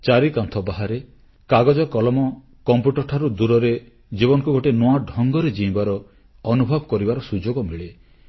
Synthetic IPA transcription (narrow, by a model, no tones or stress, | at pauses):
t͡ʃaɾikant̪ʰɔbaɦaɾe | kaɡɔd͡ʒɔkɔlɔmɔ | kɔmpjuʈɔɾʈʰaɾud̪uɾɔɾe | d͡ʒibɔnɔŋkuɡʱoʈenɔaɖʱɔŋɡɔɾed͡ʒĩĩbaɾɔː | nubʱɔbɔkɔɾibaɾɔsud͡ʒoɡɔmiɭe